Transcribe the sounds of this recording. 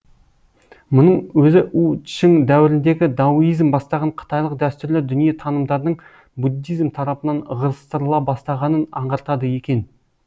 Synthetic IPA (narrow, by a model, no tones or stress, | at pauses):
mʊnəɴwɵzɪʔuʃɪŋd̪æwɪɾɪnd̪e̞ɡʲɪd̪ɑujijzmbɑst̪ɑʁɑɴqʰə̥t̪ɑjlˠəq̚d̪æst̪ʏɾlɪd̪ʏnije̞t̪ʰɑnəmd̪ɑɾd̪əɴ | bud̪ːijzmt̪ʰɑɾɑpənɑnʁəɾəst̪əɾəlˠɑbɑst̪ɑʁɑnənɑ̰ɴʁɑɾt̪ɑd̪əje̞kʲe̞n